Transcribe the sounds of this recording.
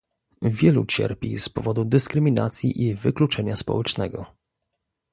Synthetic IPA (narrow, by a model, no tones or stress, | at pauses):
vʲjɛlut͡ɕɛ̰ɾpʲḭspɔvɔd̪ud̪ɘskɾɘmʲina̰t̪sʲjḭʔivɘklut͡ʂɛɲaspɔ̰wɛt͡ʂnɛɡɔ